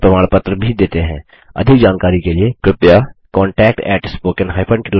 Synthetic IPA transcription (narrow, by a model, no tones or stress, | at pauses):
pɾɐmaːɽ̃pət̪ɾəbʱid̪eːt̪eɦɛ̰̃ː | ɐ̰d̪ʱɪkd͡ʒaːnkaːɾikeliekɾɪpjakɔːɳʈɛːk̚ʈɛ̰ːʈspoːkɪ̃nɦaːɪpʰə̃ɳʈɪ